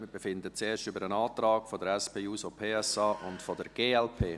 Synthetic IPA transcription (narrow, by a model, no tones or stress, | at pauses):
mɪbefɪndət͡seːʃtʏbəɾənɑːt̪rɑːɡfɔdəɾɛspʰeːuːsopʰeːɛsɑːʔʊntfɔdəɾɡ̥eːɛlpʰeː